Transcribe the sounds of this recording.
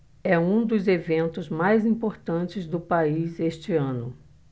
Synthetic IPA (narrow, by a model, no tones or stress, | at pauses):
ɛũd̪ʊzevẽnt̪ʊzmajzĩpoɾt̪ɐ̃t͡ʃɪzd̪ʊpaizeʃt͡ʃɪɐ̃nʊ